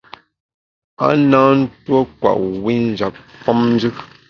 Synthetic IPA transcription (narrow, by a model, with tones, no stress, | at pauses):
a̰˦naː˦n̩˦twɔ˦kwa̰˨ʔwi˦n̩˦d͡ʒa˨p̚fɔ˦mn˦d͡ʒɨ˦